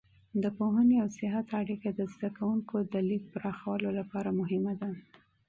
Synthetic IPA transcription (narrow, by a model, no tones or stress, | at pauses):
d̪əpoɦəneawsɪɦat̪aɽikad̪əzd̪akawuŋkod̪əlik̚pɾɑxawəlolapɑɾamʊɦɪmad̪a